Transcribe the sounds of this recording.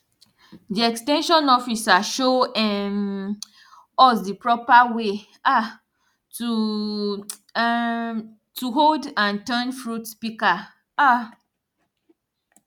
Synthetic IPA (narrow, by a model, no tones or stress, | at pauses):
diɛkstɛ̃nʃɔ̃nɔfisaʃoɛm | ɔsdipɹɔpawe | a | tu | tʰuɦoldãntɛ̃nfɹutpika | a